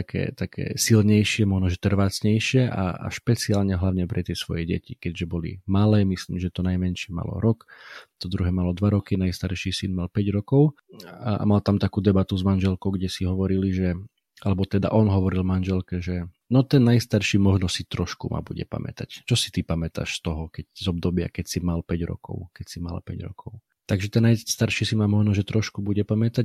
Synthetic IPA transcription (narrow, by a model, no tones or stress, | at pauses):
t̪akʰɛ̰ːt̪akʰɛ̰ːsilɲɛjʃɪɛmɔʒnɔʒɛt̪r̩ʋaːt͡sɲɛjʃɪɛʔa̰a̰ʃpɛt͡siaːlɲɛɦlaʊɲɛpɾʔɛt̪ɪɛsʋɔ̰jɛɟɛ̰cikɛɟʒɛbɔlḭmalɛːmisliːmʒɛt̪ɔnajmɛnʃɪɛma̰lɔ̰ɾɔkt̪ɔd̪ɾuɦɛmalɔd̪ʋaɾɔkinajst̪aɾʃisinmalpɛɟɾɔkɔʊ | a̰malt̪amt̪akuːd̪ɛbat̪uzmanʒɛlkɔʊɡɟɛsiɦɔʋɔɾiliʒɛ | ʔalɛbɔt̪ɛd̪a̰ʔɔnɦɔʋɔɾilmanʒɛlkɛʒɛ | nɔt̪ɛnːajst̪aɾʃimɔʒnɔsit̪ɾɔʃkuma̰buɟɛ̰pa̰mɛ̰t̪act͡ʃɔsi̥t̪ipamɛt̪a̰ʃst̪ɔɦɔkɛczɔbd̪ɔbɪa̰kɛcsimalpɛɟɾɔ̰kɔ̰ʊkɛcsima̰la̰pɛɟɾɔ̰kʰɔʊ | t̪aɡʒɛt̪ɛnːajst̪aɾʃisimamɔʒnɔʒɛt̪ɾɔʃkubuɟɛpamɛt̪a